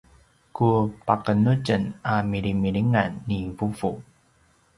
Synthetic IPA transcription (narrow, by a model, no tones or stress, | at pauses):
kupakənuɟənamiɾimiɭiŋanːivuvu